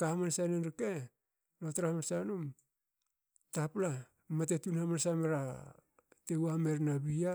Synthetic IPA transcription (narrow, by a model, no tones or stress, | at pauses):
kamansanenɾike | lotɾamansanum | tapla | matetunamansameɾa | tewame̞ɾnaβia